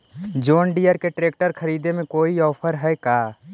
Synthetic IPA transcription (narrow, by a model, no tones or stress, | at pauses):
d͡ʒoːnɖijəɾkeʈɾeːk̚ʈəɾkʰəɾiːd̪emẽkoːiɔːpʰəɾɦɛkaː